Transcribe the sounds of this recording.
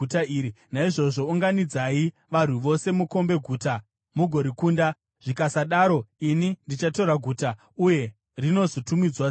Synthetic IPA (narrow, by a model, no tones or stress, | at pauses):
utaiːɾi | naiʐo̞ʐo̞uŋɡanid͡zai | ʋan̤uʋo̞se̞muko̞mbe̞ɡʱuːta | muɡʱo̞ɾikuːnda | ʐ̥ikasaɗaːɾo̞inindit͡ʃato̞ɾaɡʱuːta | uje̞ | rino̞zotumid͡zwa